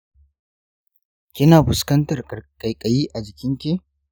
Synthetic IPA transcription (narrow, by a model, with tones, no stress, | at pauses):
kʲɪ˦naː˨bʊ˨skɐ˦ntɐ˨rkʼɐ˨jkʼɐ˨jiː˦ʔa˨d͡ʒɪ˨kʲɪ˦ŋkʲeː˦